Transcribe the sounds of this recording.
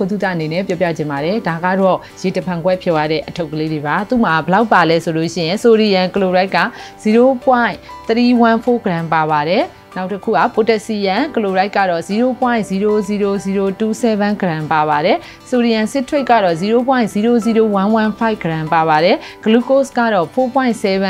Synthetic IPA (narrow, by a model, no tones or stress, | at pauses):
ot̪ut̪a̰ʔənenɛpjɔp̬ja̰d͡ʑɪ̃mbaɾɛdaɡa̰dɔ | jetəpʰãŋɡwɛpʰjɔjaɾɛ̰ʔətʰoʊkːəleɾebat̪ṵmabəlaʊʔpːalɛsolo̰ʃɪ̰jɪ̃soɾijãkəloɹaɪkːa̰z̥iɾopwãɪ̃t̪ətiwãpʰoɡəɾãmpaβaɾɛ | naʊtːəkʰṵʔa̰potɛʔsijãkəloɹaɪkːa̰dɔziɾopwãɪ̃ziɾoziɾoziɾotusɛβãŋɡəɾãmpaβaɾɛ | soɾiãnsɪʔtʰweɪkːa̰dɔziɾop̬wãɪ̃ziɾoziɾowãnwãnfʰaɪʔɡ̥əɾãpaβaɾɛɡ̥əlukoskä̰dɔpʰopwãɪ̃sɛβã